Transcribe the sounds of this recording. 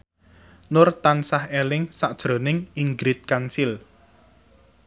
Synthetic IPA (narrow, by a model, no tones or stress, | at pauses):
nʊrt̪ansahelɪŋsaʔd̥ʒ̥ɾo̤nɪŋiŋɡɾɪt̪̚kansil